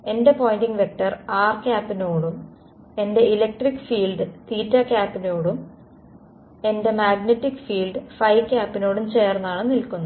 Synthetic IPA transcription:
e̞nde̞po̞ːjndiŋɡʋe̞k̚ʈːɐraːrkʲaːpːinoːɽum | e̞nde̞ilek̚ʈrikːfiːlɖɨt̪iːtːɐkʲaːpːinoːɽum | e̞nde̞maːɡnetːikːfiːlɖɨfɐjkʲːaːpːino̞ːɽumt͡ɕe̞ːrnːɐaːɳɨnilkunːu

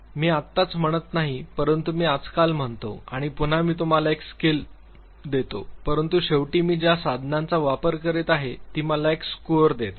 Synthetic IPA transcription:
miːat̪ːat͡sm̤əɽ̃ət̪naɦipəɾənt̪umiːad͡zkalm̤əɳt̪o̰aɽ̃ipun̤amiːt̪̬um̤alaekskil | d̪et̪o̰pəɾənt̪uɕeʋʈiːmiːd͡ʑjasad̪ʱnãnt͡saʋapəɾkəɾet̪aɦet̪iːməlaekskoɾd̪et̪

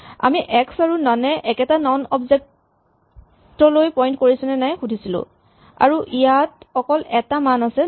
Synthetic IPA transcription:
a̰miʔɛksaɹunanɛʔɛkɛtanɔnɔbzɛk̚ | tɔlojpɔjntkoɹisunɛnajxudʱisilʊ̰̃ | a̰ɹuʔijatxɔkɔlɛtamanasɛ

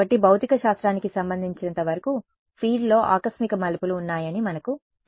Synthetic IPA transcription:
ɐʈːibʱɐwt̪ikɐʃaːst̪ɾaːnikisɐmbɐnd̪ʱiɲt͡ʃinɐnt̪ɐʋɐɾɐku | pʰiːɖlo̞ːʔa̰ːkɐsmikɐmɐlipuluːnːaːjɐnimɐnɐku

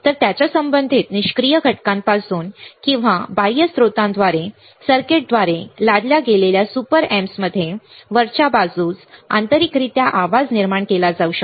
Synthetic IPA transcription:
t̪əɾt̪jat͡ɕjasəmbənd̪ʱiːt̪niɕkɾijəɡʱəʈkãmpasuːnkĩw̃ʋabajəsɾot̪ãnd̪ʋaɾe | səɾkeʈ̚d̪ʋaɾelad̪ljaɡeleljasupəɾemsməd̪ʱːjeʋəɾt͡ɕabad͡zuːt͡sa̰nt̪əɾikɾit̪jaʔaʋad͡zniɾmaɳkelad͡zauɕək

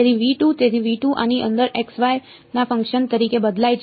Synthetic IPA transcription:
et̪ʰiʋiʈũt̪et̪ʰiʋiʈũʔa̰niʔə̰̃nd̪əɾeksʋaj | nafə̃ŋkʃənt̪əɾikebəd̪lajt͡ʃʰ

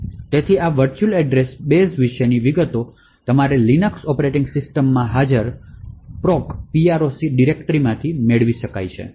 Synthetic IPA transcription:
t̪et̪ʰiaʋəɾt͡ʃulɛɖɾesbesʋɪʃəniʋiɡət̪o | t̪əmaɾelinəksɔpəɾeʈĩŋɡsɪsʈəmːãɦad͡ʒəɾpɾɔkpiaɾosiɖiɾekʈəɾimãt̪ʰimeɭʋiʃəka̰jt͡ʃʰḛ

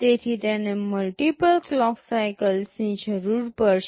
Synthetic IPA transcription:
t̪et̪ʰit̪janeməlʈipəlklɔksajkəlsĩnd͡ʑəɾuːɾpəɾ

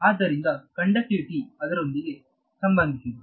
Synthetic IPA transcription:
aːd̪ːɐɾind̪ɐkɐɳɖɐʈːiʋiʈiɐd̪ɐɾond̪iɡe | sɐmbɐnd̪ʱisid̪u

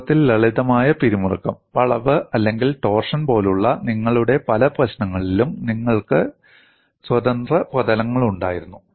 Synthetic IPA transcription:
t̪ːilːɐɭiðɐmaːjɐpiɾimurɐkːɐmʋɐɭɐʋɨʔɐlːe̞ŋɡilʈo̞ːrʂɐnpo̞ːluɭːɐniŋːɐɭuɽe̞pɐlɐprɐɕnɐŋːɐɭilumniŋːɐɭkɨ | swɐd̪ɐnd̪rɐprɐðɐlɐŋːɐɭuɳɖa̰ːjiɾunːu

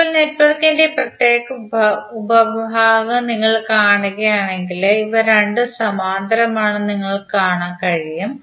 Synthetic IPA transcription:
ipːoːlnetpɐðɐk̪ːindeprɐt̪jeːɣɐbubɐbʱaːʋɐniŋːɐɭkaːɳuɣɐjaːɳeŋɡileiʋɐɾeɳɖɨsɐmaːnd̪ɐɾɐmaːɳɨniŋːɐɭkaːɳaːnkɐɻijum

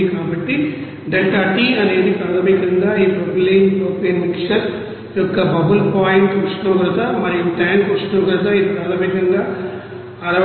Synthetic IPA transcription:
kaːbɐʈːi | ɖelʈɐʈiɐne̞ːd̪ipɐlɐmikɐŋɡaːiːpɾobleːmoːpenmikʂɐɾ | jɔkːɐbɐɦulpaːjiɳʈɐʂʈɐmkɐt̪aːmɐɾiiʈaːŋkɐʂʈɐmkɐd̪aːid̪ipɐlɐmikɐŋɡaː | ɐɾɐ

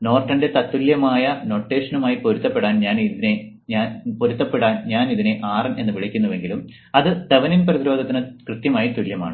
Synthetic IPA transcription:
no̞ːrʈːɐnde̞t̪ɐt̪ːuljɐmaːjɐno̞ːʈːe̞ːʂɐnumaːjipoɾut̪ːɐpːe̞ɽaːnɲaːniðine̞ | ɲaːnpoɾut̪ːɐpːeɽaːnɲaːniðine̞ʔaːrɐne̞nːɨʋiɭɐkʲːunːuʋe̞ŋɡilum | ɐðɨd̪̥ɐʋɐninprɐðiɾo̞ːd̪ʱɐt̪ːinɨkrɨt̪jɐmaːjit̪uljɐma̰ːɳɨ

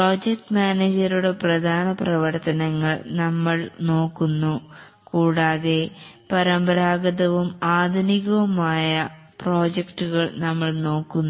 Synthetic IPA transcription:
pro̞ːd͡ʑek̚ʈmaːneːd͡ʑɐɾuɽe̞prɐd̪ʱaːnɐprɐʋɐrt̪ɐnɐŋːɐɭnɐmːɐɭno̞ːkːunːu | kuːɽaːðe̞pɐɾɐmbɐɾaːɡɐðɐʋumaːd̪ʱɐniɣɐʋumaːjɐpro̞ːd͡ʑekʈːuɣɐɭnɐmːɐɭno̞ːkːunː

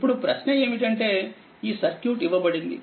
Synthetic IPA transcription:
pːuɽupɾɐʃnee̞ːmiʈ̬ɐɳʈe̞ː | iːsɐɾkjuːʈiʋɐbɐɽind̪ḭ

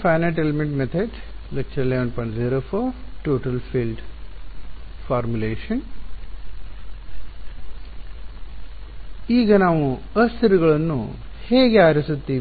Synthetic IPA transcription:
pʰɐjnɐʈelmeɳʈmet̪ʰeɖlɐkt͡ʃɐleʋɐnpɐɳziːɾoːfʰoːʈoːʈɐlpʰiːlɖ | fʰaːɾmuleːʃɐn | iːɡɐnaːʋuɐst̪ʰɐɾuɡɐɭɐnːṵ | heːɡeaːɾisut̪ːiː

